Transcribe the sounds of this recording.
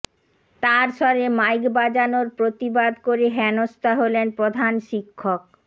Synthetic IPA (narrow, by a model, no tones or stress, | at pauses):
t̪aɾʃɔɾemajkbad͡ʑanoɾpɾot̪ibad̪koɾeɦɛnost̪aɦolenpɾod̪ʱanʃikʰːok̚